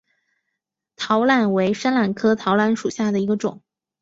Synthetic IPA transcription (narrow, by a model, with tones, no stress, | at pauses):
t̪ʰɑ˧˥ʊla˨˩nwe˧˥ɪʂa˥nla˨˩nkʰɤ˥t̪ʰɑ˧˥ʊla˧˥nʂu˨˩ɕja˥˩d̪ə˩i˧˥ɡə˧ʈ͡ʂʊ̰˨˩˦ŋ